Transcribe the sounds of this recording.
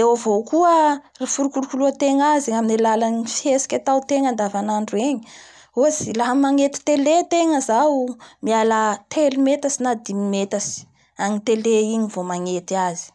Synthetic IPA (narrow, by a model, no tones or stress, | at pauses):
ewavokuərafuɾukulkuluat̪eŋaziaminilalanifiesi̥kʲat̪awt̪eŋand̪avanaɳɖ͡ʐueɲi | ozilaɦəmaŋet̪i̥t̪elet̪eŋəzawmialat̪ʰelimet̪asinad̪imimet̪asi̥ | aŋit̪eleiɲivomaŋet̪iazi̥